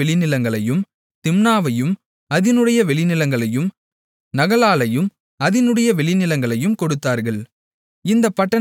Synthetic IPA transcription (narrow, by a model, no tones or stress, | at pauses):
ɛɭɪnɪlɐŋɡɐɭɐjɯm | t̪ɪmnaːʋɐjɯm | ɐðɪnɯɽɐjɐʋɛɭɪnɪlɐŋɡɐɭɐjɯm | nɐɣɐɭaːlɐjɯm | ɐðɪnɯɽɐjɐʋɛɭɪnɪlɐŋɡɐɭɐjɯmkɔɽɯt̪ːaːɾɣɐɭ | ɪnd̪ɐpːɐʈːɐ